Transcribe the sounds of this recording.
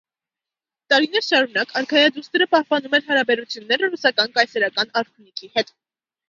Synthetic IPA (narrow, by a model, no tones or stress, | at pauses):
t̪ɑɾinɛɾʃɑɾunɑkʰɑɾkʰɑjɑd̪ust̪əɾəpɑhpɑnumɛɾɦɑɾɑbɛɾut͡sʰjunːɛɾərusɑkɑnkɑjsɛɾɑkɑnɑɾt̪ʰunikʰihɛt̪